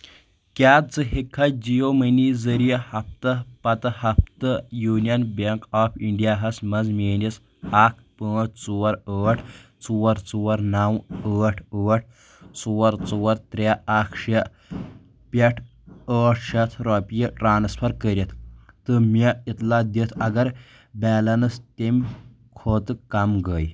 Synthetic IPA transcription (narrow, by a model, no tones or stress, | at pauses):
kʲaːt̪̚d͡zɨɦekʰːad͡ʑijomənid͡zəɾijhɐpt̪ɨpɐt̪hɐft̪əjuːnijɐnbeŋkaːpʰiɳɖijaɦɐsmɐd͡zmeːnis | akʰ | pəːt͡sʰt͡suɾəːʈʰ | t͡suwəɾt͡suɾnawəːʈʰəːʈ̚ʰ | t͡suːɐɾt͡suːɐɾt̪ɾʲeakʰʃɐ | pʲɐʈʰ | əːʈʰʃɐt̪ʰɾoːpʲijiʈɾaːnspʰɐɾkəɾʲit̪ʰ | t̪ɨmɐit̪laːd̪et̪ʰɐɡɐɾ | bʲɛːlɐnɨst̪ʲemʲ | kʰot̪ɨkɐmɡəj